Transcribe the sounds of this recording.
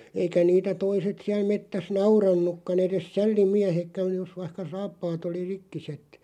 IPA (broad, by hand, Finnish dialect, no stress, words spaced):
eikæ niːtæ toiset siæl metːæs nɑurɑnːukːɑn eres sælːimiæhekːæn̞ jos ʋɑĭhkɑ sɑːpːɑːt oli rikːiset